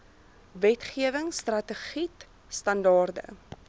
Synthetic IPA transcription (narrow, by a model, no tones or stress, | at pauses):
vɛtχiəvəŋstrɐtəχit | stɐndɑːrdə̰